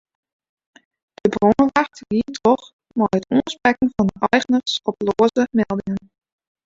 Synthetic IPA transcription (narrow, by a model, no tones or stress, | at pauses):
d̥əbroəʋaxtʋiːtʰɔχ | mɔjətuənsprɛkənfɑnəʔɛjɣənərsɔploːəzəmɛlˠdɪŋən